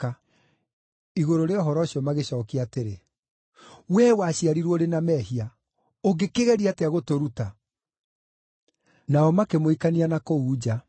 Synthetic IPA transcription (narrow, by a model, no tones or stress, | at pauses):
a | iɣoɾoɾeɔɦɔɾɔɕiɔmaɣeɕɔːkeateɾe | wɛwaɕiaɾiɾwɔoɾenamɛːɦia | oɡekeɣɛɾiateaɣotoɾuta | naɔmakemoikanianakouːd͡ʑa